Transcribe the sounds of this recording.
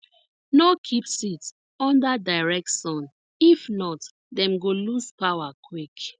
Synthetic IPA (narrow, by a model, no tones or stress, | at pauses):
nɔkʰipsit | ɔ̃ndadaɪɹɛk̚ʃɔ̃n | ifnɔt | dɛ̃mɡoluspawakʰwik